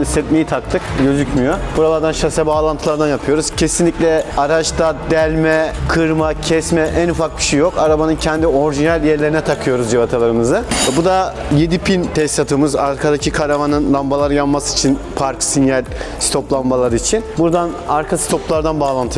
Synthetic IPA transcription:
isɛt̪mejit̪ʰak̚t̪ʰɯkɟø̞zycmyjob̥uɾalˠaɾd̪anʃasɛbaːlˠant̪ʰɯlˠaɾd̪anjapʰɯjo̞ɾuz̥cʰe̞sinlʲicʲlʲɛaɾat͡ʃt̪ad̪ɛlʲmɛkʰɯɾmacʰɛsmɛʔænufak̚biʃejːjo̞kaɾabanɯncʰɛnd̪io̞ɾʒinælʲjɛɾlʲe̞ɾinɛt̪ʰakʰɯjo̞ɾuzd͡ʒivat̪ʰalˠaɾɯmɯzɯɛbud̪a | jed̪ipʰint̪ʰɛst̪at̪ʰɯmɯzaɾkʰad̪acʰikʰalavanɯnlˠambalˠaɾɯjanmasɯi̥t͡ʃʰin | pʰaɾksinjalʲ | si̥t̪ʰo̞plˠanbalˠaɾɯit͡ʃʰinbuɾd̪anaɾkʰasi̥t̪ʰo̞plˠaɾd̪anbaːlˠant̪ʰɯ

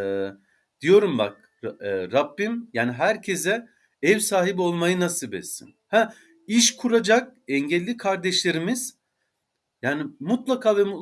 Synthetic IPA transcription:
d̪̥ijo̞ɾumba̰k̚ː | ɾabːimjaːniɦæɾcʰe̞zɛ | ɛvsaːɦibio̞lˠmajɯnasɯbɛ̰t̪sḭnhæ | iʃkʰuɾad͡ʒak̚ɛɲɟɛlʲːikʰaɾd̪ɛʃlʲe̞ɾimiz̥ | jaːnimut̪lˠakʰaːvɛmu

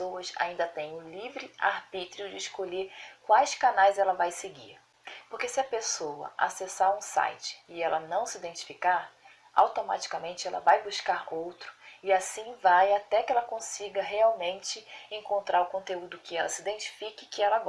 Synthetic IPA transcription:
owɐsa̰ĩnd̪ɐt̪ẽj̃ʊlivɾɪa̰ɾbit̪ɾiʊd͡ʒɪːʃkoʎeɾkwajskanajzɛlɐvajseɡiɾ | poɾkesɪɐpesowɐ̰ʔa̰sesaɾũsa̰jt͡ʃɪ̥ɪɛlɐnɐ̃w̃sɪid̪ẽnt͡ʃi̥fikaɾ | a̰wt̪oma̰t͡ʃi̥kamẽnt͡ʃɪɛlɐ̰vajbuʃkaɾowt̪ɾʊ̥ɪasĩvajat̪ɛkɪɛlɐkõsiɡɐɦeawmẽnt͡ʃɪẽŋkõnt̪ɾaɾʊkõnt̪eud̪ʊkɪɛlɐsɪid̪ẽnt͡ʃi̥fikɪkɪɛlɐɡɔ

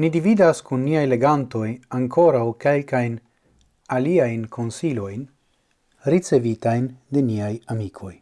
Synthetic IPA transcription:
nidividaskunːiajle̞ɡanto̞jaŋko̞ɾawkelkajn | aliajnkʰo̞nsilo̞jn | ɾit͡se̞vitajnd̪e̞niajamikʰo̞j

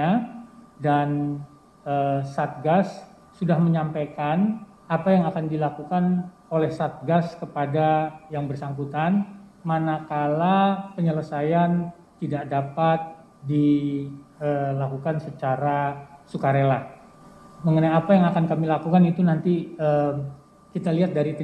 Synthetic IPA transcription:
adan | əsat̪̚ɡasː | udahməɲampakan | apajaŋakandilakukan | olɛhsat̪̚ɡaskəpadajaŋbərsaŋkut̪anmanakalapəɲələsajan | t̪idaʔdapat̪̚ | di | əlakukansət͡ʃaɾasukaɾela | məŋənajapajaŋakankamilakukanit̪unant̪iəm | kit̪aliɦat̪̚daɾit̪

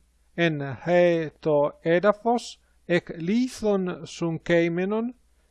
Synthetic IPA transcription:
enhet̪oed̪afos | ekliθonsuŋkejmenon

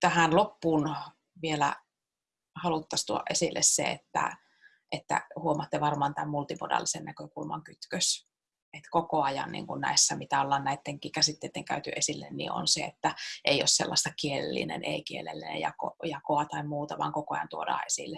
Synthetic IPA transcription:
t̪æhænlopːuːn | ʋielæ | hɑlut̪ːɑst̪uoɑ̰ʔʔesilːʔḛssḛḛt̪ːæ̰ | ʔet̪ːæ̰huomɑt̪ːeʋɑrmɑnt̪æmmult̪imo̰dɑ̰lːisennækøkulmɑ̰ŋkyt̪køs | et̪kokoɑjɑ̰nnḭːŋkunnæ̰esːæmit̪æolːɑːnnæit̪ːeŋkikæsit̪ːeit̪ːeŋkæyt̪yʔesilːḛnnḭo̰nsḛet̪ːæʔeio̰ssḛlːɑst̪ɑkielḛlːḭnḛnḛikielḛlːinḛjɑ̰ko̰jɑkoɑt̪ɑimmuːt̪ɑʋɑ̰ːŋkokoɑjɑ̰nt̪uodɑ̰ːesḭlːe

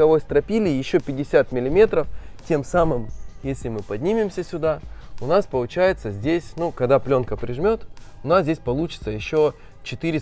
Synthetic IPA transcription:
ɐvo̞jst̪ɾɐpʲilʲɪjɪɕːopʲɪdʲɪsʲat̪mʲɪlʲɪmʲe̞t̪ɾəftʲe̞msamɨmjesʲlʲɪmɨpɐdʲnʲimʲɪmsʲəsʲʊd̪aʊnaspəlˠʊt͡ɕæjɪt̪səzʲdʲesʲnukɐɡd̪aplʲo̞nkəpɾʲɪʐmʲo̞t̪ʊnasdʲzʲesʲpɐlˠut͡ɕɪ̥t̪səjɪɕːo̞ | t͡ɕɪt̪ɨɾʲɪ

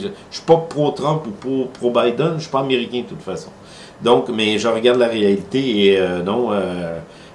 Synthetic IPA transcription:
ʃy̥pʌpʁot̪ʁœ̃mpupopʁobajd̪ənʃy̥pɔameʁikʲɛ̃d̪ət̪ut̪fasɔ̃ | d̪ɔ̃kmɛʒəʁəɡaʁd̪laʁealit̪eeønɔ̃ø

